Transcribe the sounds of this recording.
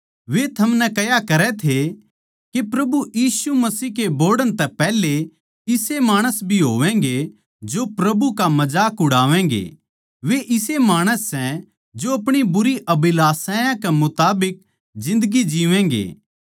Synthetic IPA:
ʋet̪ʰɐmnɛkɐjakɐɾɛt̪ʰe | kepɾɐbujiːsumɐsiːɦkeboːɾɖəɽ̃t̪ɛpɛːle | ɪsemaːɽ̃əsbʱiɦoːʋɛ̃ːŋɡe | d͡ʒopɾɐbukamɐd͡ʒaːkʊɽaːʋɛ̃ːŋɡḛː | ʋeʔɪsemaːɽ̃əsːɛ̃ | d͡ʒoɐpɽ̃ibʊɾiʔɐbɪlaːsãːjãkemʊt̪aːbɪk̚ | d͡ʒɪ̃nd̪əɡid͡ʒiʋɛ̃ŋɡḛː

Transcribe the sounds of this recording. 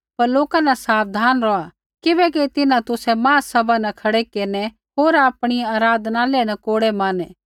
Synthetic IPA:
pɐɾloːkanɛsaːp̚ʰd̪ʱaːnɾɔa | kɪbɛkit̪ɪnãt̪ʊsɛmãːsɐbanɛkʰɐɽekeːɾnɛ | ɦoːɾaːpɽ̃iaːɾaːd̪ʱnalɛnɛkoːɽemãːnɛː

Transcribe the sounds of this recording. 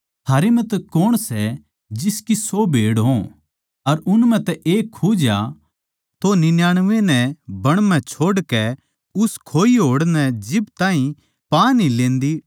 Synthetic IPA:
t̪ʰaːɾemɛ̃t̪ɛkoːɽ̃sɛ | d͡ʒɪskisobʱeːɽɦõ | ɐɾʊnmɛ̃t̪ɛʔeːkʰːuːd͡ʒja | t̪onɪnjaːɽ̃ʋenɛ̃bɐɽ̃mɛ̃t͡ʃʰoːɽkɛ | ʊskʰoːiɦoːɽnɛ̃d͡ʒɪbt̪ãːɦĩ | paːnilẽːnd̪i

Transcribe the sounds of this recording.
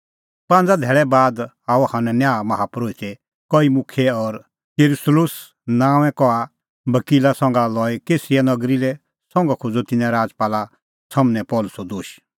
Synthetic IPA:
pãːn̆d͡zad̪ʱɛːɭɛbaːd̪ | aːuhanɛnjaːmɐɦapɾoːit̪ɛ | kɔimʊkʰɛɔɾ | eɾʊslʊs | nãːʋ̃ɛ̃kɔa | bɐkiːlasɔ̃ŋɡalɔːɛkeːsianɐɡɾilɛ | sɔ̃ŋɡakʰʊd͡zot̪ɪnɛ̃ɾaːd͡zpaːla | sɐmnɛ̃pɔːlʊsɔd̪oːʃ

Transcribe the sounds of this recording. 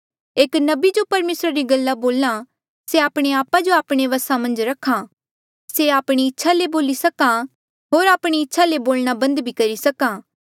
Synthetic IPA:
eːknɐbid͡ʒopɐɾmeːsɾaɾiɡɐlːaboːla | seaːpɽ̃eaːpad͡ʒoaːpɽ̃eʋɐsamɐ̃nd͡ʒɾɐkʰːã | seaːpɽ̃iɪtːʃʰaleboːlisɐkã | ɦoːɾaːpɽ̃iɪtːʃʰaleboːlɽ̃abɐ̃nd̪bʱikɐɾisɐkãː

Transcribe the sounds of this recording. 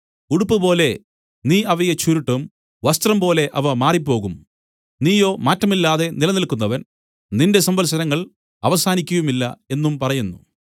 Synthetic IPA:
uɽupːɨpo̞ːle̞ | niːɐʋɐjet͡ɕuɾuʈːɐm | ʋɐst̪rɐmpo̞ːle̞ʔɐʋɐmaːripːo̞ːɣum | niːjo̞ːmaːtːrɐmilːaːðe̞nilɐnilkːunːɐʋɐn | ninde̞sɐmbɐlsɐnɐŋːɐɭ | ɐʋɐsaːnikʲːujumilːɐ̰e̞nːumpɐrɐjunːu

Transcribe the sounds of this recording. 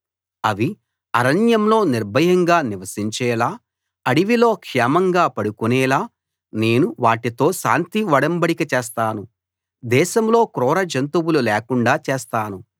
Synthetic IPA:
ɐʋi | ɐɾɐnjɐmlo̞ːniɾbʱɐjɐŋɡaːniʋɐsiɲt͡ʃɛːlaː | ɐɽiʋilo̞ːkʂɛːmɐŋɡaːpɐɽukunɛːlaː | ne̞ːnuʋaːʈit̪o̞ːʃa̰ːnt̪iʋɐɽɐmbɐɽikɐt͡ʃeːs̬t̪aːnu | d̪ɛːʃɐmlo̞ːkɾɔːɾɐd͡ʒɐnt̪uwululɛːkuɳɖaːt͡ʃeːst̪aːnu

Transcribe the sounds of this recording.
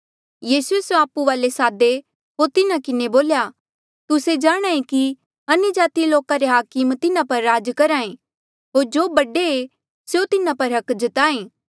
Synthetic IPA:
jiːsuesjoaːpuʋaːlesaːd̪e | ɦoːɾt̪ɪnakɪneboːlja | t̪ʊsed͡ʒaːɽ̃aːẽki | ɐnʊd͡ʒaːt̪iloːkaɾeɦaːkɪmt̪ɪnãpɐɾːaːd͡ʒkɐɾaːẽ | ɦoːɾd͡ʒoːbɐɖee | seot̪ɪnãpɐɾɦɐkd͡ʒət̪aːẽː

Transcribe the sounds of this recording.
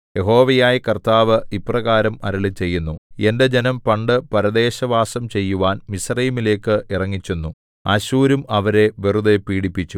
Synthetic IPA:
je̞ɦo̞ːʋɐjaːjikɐrt̪aːʋɨiprɐɣaːɾɐmɐ̰ɾɐɭɨt͡ɕe̞jːunːue̞nde̞d͡ʑe̞nɐmpɐɳɖɨpɐɾɐd̪e̞ːɕɐʋaːsɐmt͡ɕe̞jːuʋaːnmisrɐjimile̞ːkːɨʔirɐŋːit͡ɕːunːu | ɐɕuːɾumɐʋɐɾe̞ʋirud̪epiːɽipːit͡ɕːu

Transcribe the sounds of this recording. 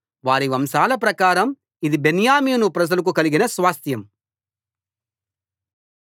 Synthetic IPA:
ʋaːɾiʋɐmsaːlɐpɾɐkaːɾɐm | id̪ibenjaːmiːnupɾɐd͡ʒɐlɐk̬ukɐliɡinɐsʋaːst̪jɐm

